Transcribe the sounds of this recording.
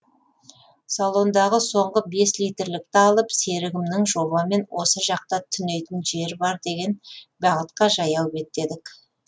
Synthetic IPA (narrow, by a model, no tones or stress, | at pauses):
salˠo̞nd̪ɑʁəso̞ɴʁəbe̞slijt̪ɪɾlɪk̚t̪ɪɑlˠəpse̞ɾɪɡʲɪmnɪŋʒo̞βɑme̞nwʔo̞səʒɑq̚t̪ɑt̪ʰʏne̞jt̪ɪnʒe̞ɾbɑɾd̪e̞ɡʲe̞nbɑʁət̪qɑʒɑjɑw̪əpe̞t̪ːe̞d̪ɪk